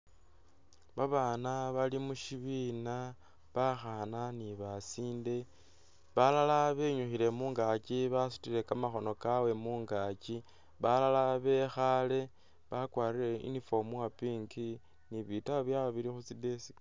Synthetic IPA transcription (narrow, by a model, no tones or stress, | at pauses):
βaβaːnaβalimuʃiβina | βaxananiβasiːnde̞ | βalalaβe̞ɲuxiɾe̞muːŋɡaciβasu̥tiɾe̞kamaxo̞no̞kawe̞muːŋɡaːci | βalalaβe̞xale̞ | βakwaːriɾe̞ʔḭnifo̞muwapiːŋki | niβitaβjaβiɾixut͡sidesi̥